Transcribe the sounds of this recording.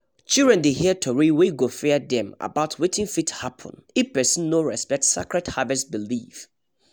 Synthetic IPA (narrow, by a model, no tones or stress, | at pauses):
t͡ʃildɹɛ̃ndehiətʰoɹiweɡofɛdɛ̃ma̰baʊtʰwetʰɪ̃ŋfithapʰɔ̰̃nipɛsĩnːoɹɛspɛk̚tsakɹɛdhavɛsbilif